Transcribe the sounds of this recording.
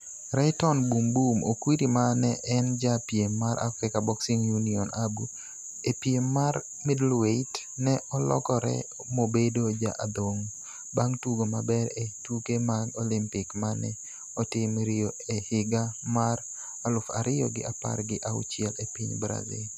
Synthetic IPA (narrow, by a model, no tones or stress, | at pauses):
ɾɛtɔnbumbumokwiɾimanɛʔɛnd͡ʒapjemːaɾʔa̰fɾɪkabɔksiŋjuniɔnabu | epjemːar | midlwet | nɛɔlɔ̰kɔɾɛ̰ | mobedod͡ʒa̰ʔad̪oŋ | baŋtuɡomabɛɾetukemaɡɔlɪmpɪkmanɛ | ɔtɪmɾɪjoehɪɡamaɾ | alʊfa̰ɾɪjɔɡɪ̰ʔapa̰rɡɪʔaʊ̰t͡ʃɪɛlepiɲbɾa̰zɪ̰l